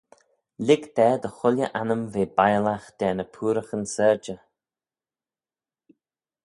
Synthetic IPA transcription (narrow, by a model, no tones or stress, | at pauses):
lɪɡd̪̥ɛːd̪əxʊljəʔanəmveːbajlaxd̪̥ɛːnəpʰuːɾəxənsɛɹd͡ʒə